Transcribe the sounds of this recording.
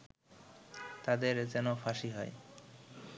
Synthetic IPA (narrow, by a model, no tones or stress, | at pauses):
t̪ad̪eɾd͡ʑɛnofaʃiɦɔe